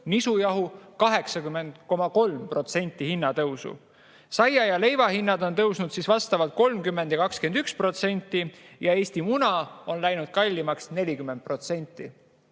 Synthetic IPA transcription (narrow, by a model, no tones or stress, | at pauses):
nisujɑɦukɑɦe̞ksɑkymːe̞nd̪̥ko̞mɑko̞lmpro̞t̪se̞nʲt̪ːˑihinːɑt̪ɤwsṵ | sɑjɑjɑle̞jvɑhinːɑd̪o̞nt̪ɤwsnud̪̥sisvɑst̪ɑvɑlt̪̚ko̞lmkymːe̞nd̪̥jɑkɑkskend̪̥ykspro̞t̪se̞nʲt̪ˑːijɑe̞ːsʲt̪imunɑo̞nlæjnud̪̥̚kɑlʲːimɑksne̞lʲikymːe̞nd̪̚pro̞t̪se̞nʲt̪ˑːi